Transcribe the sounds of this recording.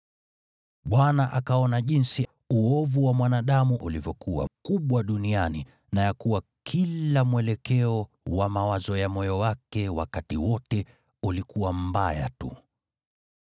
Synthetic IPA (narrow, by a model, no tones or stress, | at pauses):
ɓwanaʔakaɔnaʄinsi | uɔvuwamwanaɗamuʔulivjɔkuwa̰kuɓwaɗuniani | najakuwakʰillamwɛlɛkɛɔ | wamawazɔjamɔjɔwakɛwakatiwɔtɛ | ulikuwam̩baja̰tṵ